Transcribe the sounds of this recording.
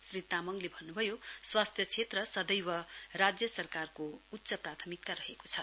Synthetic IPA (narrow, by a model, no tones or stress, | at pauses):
srit̪amʌŋlebʱʌnːubʱʌjoswast̪ʰjʌt͡sʰet̪rʌsʌd̪ʌjwʌrad͡zjʌsʌrkarkout̪ːsʌprat̪ʰʌmik̚t̪aɾʌɦeko̥t͡sʰʌ